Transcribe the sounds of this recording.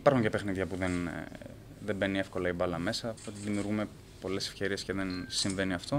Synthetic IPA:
ipɐɾxuɲcepe̞xniðʝɐpuðen | ðe̞mbe̞niefko̞lɐibɐlɐme̞sɐot̪iðimiuɾɣume | po̞le̞sefçe̞ɾie̞sceðe̞nsiɱve̞niɐft̪o̞

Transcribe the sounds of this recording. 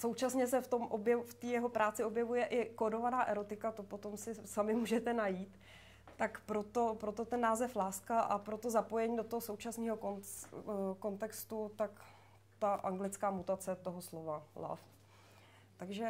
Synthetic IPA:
sowt͡ʃasɲɛsɛft̪o̞mʔobjɛft̪iːjɛɦo̞pɾaːt͡sɪobjɛvujɛʔɪkodo̞vanaːʔɛɾo̞t̪ɪkat̪o̞po̞t̪o̞msɪsamɪmuːʒɛt̪ɛnajiːt̪ː | akpɾo̞t̪opɾo̞t̪o̞t̪ɛnːaːzɛflaːskaʔa̰pɾo̞t̪o̞zapo̞jɛɲiːdot̪oɦoso̞wt͡ʃasniːɦo̞ko | ko̞nt̪ɛkst̪ut̪ak | t̪aʔaŋɡlɪt͡skaːmut̪at͡sɛt̪o̞ɦoslo̞vala̰f | t̪aɡʒɛ

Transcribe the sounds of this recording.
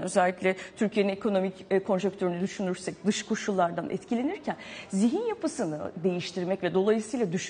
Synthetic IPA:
nø̞zɛlʲːicʲlʲɛt̪ʰyɾcʰijeninekʰo̞no̞micːkʰo̞nʒɛk̚t̪ʰøɾynyd̪yʃynyɾsɛc̚d̪ɯʃkʰo̞ʃulˠːaɾd̪anʔɛ̰t̪cʰilʲe̞niɾcʰænziɦinjapɯsɯnɯ̰d̪e̞jiʃt̪ʰiɾmɛcvɛd̪o̞lˠajɯsɯjlˠad̪yʃ

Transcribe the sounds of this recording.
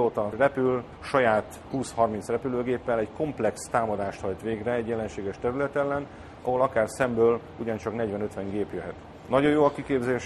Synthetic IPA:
oːt̪ɒrɛpyl | ʃɒjaːt̪ | huːshɒrmint̪srɛpyløːɡeːpːɛlɛɟko̞mplɛkst̪aːmɒd̪aːʃt̪hɒjt̪ʋeːɡrɛːɟjɛlɛnʃeːɡɛʃt̪ɛɾylɛt̪ɛlːɛn | ɒ̰ɦo̞lɒkaːrsɛmbøːl | uɟɒnt͡ʃɒkn̪ɛɟʋɛnøt̪ʋɛŋɡeːpjøɦɛt̪ | nɒɟo̞joːɒkikeːbzeːʃ

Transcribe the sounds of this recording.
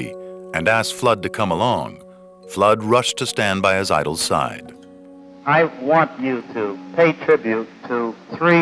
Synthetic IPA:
ḭɨ̃næskflʌd̚tɨkʰʌ̃məlɔ̰̃ŋ | flʌd̚ɹʌʃtʰɨstæ̃nbaɪɨza̰ɪɾl̩ˠsa̰ɪd̥ | aɪwɑ̃nt͡ʃɨɾɨpʰeɪtʰɹ̥ɪbjʉtʰəθɹi

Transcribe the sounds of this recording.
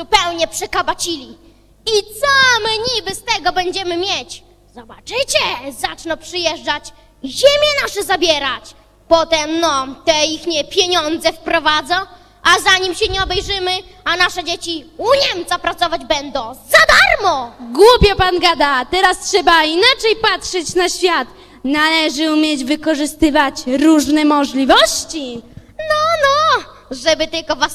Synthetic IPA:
zupɛwɲɛpʂɛkabat͡ɕilʲi | it̪sɔmɘɲibɘst̪ɛɡɔbɛɲd͡ʑɛmɘmʲjet͡ɕ | z̥ɔbat͡ʂɘt͡ɕɛzat͡ʂnɔpʂɨjɛʐd͡ʐat͡ɕ | ʑemʲjɛnaʂɛzabʲjɛɾat͡ɕ | pɔt̪ɛmnɔt̪ɛixɲɛpʲjeɲɔnd̪zɛfpɾɔvad̪zɔ̃ | azaɲimɕɛɲɛɔbɛjʐɘmɘanaʂɛd͡ʑet͡ɕiuɲɛmt̪sapɾat̪sɔvad͡ʑbɛnd̪ɔ̃w̃zad̪aɾmɔɡwupʲjɛpanɡad̪at̪ɛɾastʂɛbainat͡ʂɛjpatʂɛt͡ɕnaɕfʲjat̪ | nalɛʐɘumʲjed͡ʑvɘkɔʐɘst̪ɘvat͡ɕɾuʐnɛmɔʐlʲivɔɕt͡ɕi | nɔnɔ | ʐɛbɘt̪ɘlkɔvas

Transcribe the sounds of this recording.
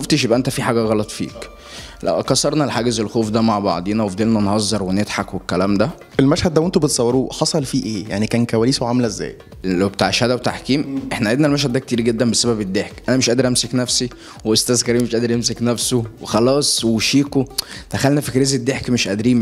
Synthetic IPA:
oft̪eʃ̬jebʔæʔent̪æfiħaːɡæɣɑlɑt̪ˤfḭːk | læ̰ʔkɑsɑɾˤnɑlħaːɡezelxoːfd̪æmaʕbɑ̰ʕd̪ˤenæwefd̪elnænhɑzˤːɑɾˤwened̪ħɑkwekːælæːmd̪æ | ʔelmæʃhæd̪̚ːæwent̪ubet̪sˤɑwːɑɾuːħɑsˤɑlfiːʔeːja̰ʕnikæːnkæwæliːsoʕamlæʔzːæ̰ːj | læwbet̪aʕeʃhæd̪æwet̪aħkiːmʔeħnæʔʕed̪nælmæʃ̬hæd̪d̪æk̚t̪iːɾɡed̪ːæmbesæbæbed̪ːeħkʔænæmeʃʔæːd̪eɾʔæmseknæfsi | weʔost̪æːzkæɾiːmːeʃʔæːd̪eɾʔemseknæfsowexɑlɑːsˤweʃiːkod̪̥æxælnæfikɾeːzed̪ːeħkmeʃʔæd̪ɾiːm

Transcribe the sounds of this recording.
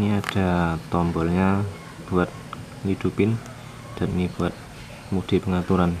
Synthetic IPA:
niad̥a̤t̪ɔmbɔlɲa | b̥uat̪̚ | lid̪̥upɪn | d̥annib̥uat̪̚ | muɡ̚d̥i̤pəŋat̪uɾan

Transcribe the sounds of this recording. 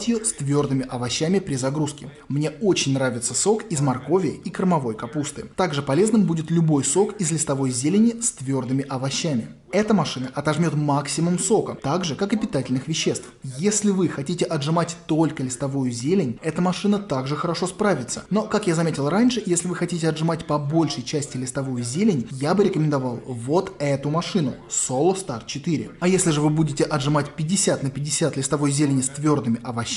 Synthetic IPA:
tʲjɪjost̪vʲo̞rd̪ɨmʲɪʔɐvɐɕːæmʲɪpɾʲɪzɐɡɾuskʲɪ | mnʲe̞o̞t͡ɕɪnʲnɾavʲɪt̪səso̞kɪzmɐrkovʲɪjəikɾmɐvo̞jkɐpust̪ɨ̰t̪aɡʐɨpɐlʲe̞znɨmbudʲɪt̪lʲʊbo̞jso̞kɪzlʲɪst̪ɐvo̞jzʲelʲɪnʲɪst̪vʲo̞rd̪ɨmʲɪʔɐvɐɕːamʲɪ | ɛt̪əmɐʂɨnəʔɐt̪ɐʐmʲo̞t̪maksʲɪmʊmso̞kət̪aɡʐɨkakɨpʲɪt̪atʲɪlʲnɨxvʲɪɕːe̞st̪fjesʲlʲɪvɨxɐtʲitʲɪʔɐdʐɨmatʲt̪o̞lʲkəlʲɪst̪ɐvujʊzʲelʲɪnʲɛt̪əmɐʂɨnət̪aɡʐɨxəɾɐʂo̞spɾavʲɪt̪sə̥no̞kakjazɐmʲetʲɪlˠranʲʂɨjesʲlʲɪvɨxɐtʲitʲɪɐdʐɨmatʲpɐbo̞lʲʂəjt͡ɕæsʲtʲɪlʲɪst̪ɐvujʊzʲelʲɪnʲjabɨɾʲɪkəmʲɪnd̪ɐvalˠvo̞t̪ɛt̪ʊmɐʂɨnʊ̰solˠʊst̪art̪̚t͡ɕɪt̪ɨɾʲɪ̰ɐjesʲlʲɪʐɨvɨbudʲɪtʲɪʔɐdʐɨmatʲpʲɪdʲːɪsʲat̪nəpʲɪdʲːɪsʲat̪lʲɪst̪ɐvo̞jzʲelʲɪnʲɪst̪vʲo̞rd̪ɨmʲɪʔɐvɐɕ

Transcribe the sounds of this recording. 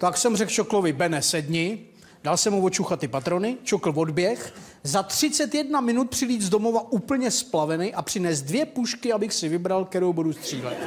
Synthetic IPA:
t̪aksɛmrɛklt͡ʃoklovɪbɛnɛsɛdɲɪ | d̥alsɛmuvot͡ʃuxat̪ɪpat̪ɾo̞nɪt͡ʃokl̩vo̞dbjɛx | zat̪r̝̥ɪt͡sɛt̪jɛdnamɪnut̪̚pr̥ɪliːzdo̞mo̞vaʔuːpl̩ɲɛsplavɛnɛʔapr̝̥ɪnɛːs̚dvjɛpuʃkɪabɪxsɪvɪbɾalk̚t̪ɛɾowbudust̪r̝̥iːlɛ̰t̪

